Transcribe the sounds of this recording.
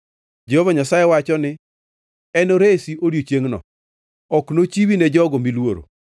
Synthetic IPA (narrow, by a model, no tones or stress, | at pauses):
d͡ʒɛhovaɲasajɛwat͡ʃɔnɪ | ɛnoɾesiʔoɾjot͡ʃjeŋnɔ̰ | ɔknot͡ʃiwinɛd͡ʒɔɡomilwoɾo̰